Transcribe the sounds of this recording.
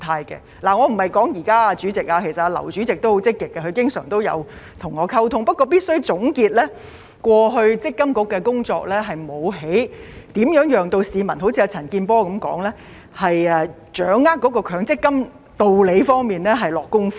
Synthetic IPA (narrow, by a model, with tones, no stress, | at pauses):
t̪ʰaː˧jkɛ̰˧ | laː˨˩ŋɔː˨˧m̩˨˩hɐ˨˩jkɔː˨˥ŋjiː˨˩kaː˥aː˧t͡ʃyː˨˥t͡sɪ˨k̚aː˧kʰe˨˩jsɐ˨ta˧lɐ̰˨˩wt͡ʃyː˨˥t͡sɪ˨k̚t̪o˥who˨˥wt͡sɪ˥kːɪ˨kːɛ˧kʰɵ˨˧ɥkɪ˥ŋsœː˨˩ŋt̪o˥wjɐ̰˨˧wt̪ʰʊ˨˩ŋɔː˨˧kʰɐ˥wt̪ʰʊ˥ŋpɐ˥t̚kːɔː˧piː˥t̚sɵ˥ɥt͡sʊ˨˥ŋkiː˧t̚lɛː˥ | kʷɔː˧ɦɵ˧ɥt͡sɪ˥kːɐ˥mkʊ˨˥kːɛː˧kʊ˥ŋt͡sɔː˧k̚lɛː˥ɦɐ˨˩jmo˨˧wɦe˨˥jt̪iː˨˥mjœː˨˥ŋjœː˨˧ŋt̪o˧wsiː˨˧mɐ˨˩nɦo˨˥wt͡sʰiː˧a˧t͡sʰɐ˨˩nkiː˧npɔː˥kɐ˨˥mkɔ̰ː˨˥ŋlɛː˥ | hɐ˨jɛ˨˧ | t͡ʃœː˨˥ŋːaː˥k̚ːɔː˨˥kɔː˧kʰœː˨˧˥ŋt͡sɪ˥kːɐ˥m | t̪o˨wle˨˧jfɔː˥ŋmiː˨˩nlɛ˥ɦɐ˨jlɔː˨kːʊ˥ŋf